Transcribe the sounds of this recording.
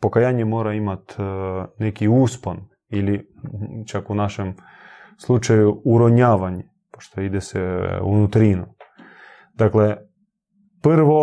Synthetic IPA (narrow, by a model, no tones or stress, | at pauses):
pokajaːɲemoːɾaimat̪nekiuːspon | ili | t͡ʃakunaʃem | slˠut͡ʃajuuɾoɲaːʋaɲe | po̥ʃt̪oid̪esɛṵnut̪ɾinu | d̪akle | prʋo